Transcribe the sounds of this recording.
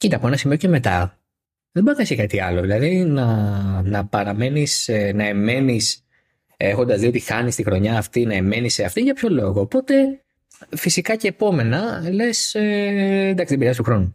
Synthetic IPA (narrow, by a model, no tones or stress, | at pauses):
cit̪ɐpoenɐsimioceme̞t̪ɐ | ðeboɐkɐisekɐt̪iɐlo̞ðilɐðinɐnɐpɐɾɐme̞nisenɐe̞me̞nis | e̞xo̞nd̪ɐzðio̞t̪ixɐnist̪ixɾo̞ɲɐːft̪inɐe̞me̞niseɐft̪iʝɐpço̞lo̞ɣo̞ːpo̞t̪e̞ | fisikɐce̞ːpo̞me̞nɐle̞send̪ɐksit̪ibɾiɐst̪uxɾo̞nu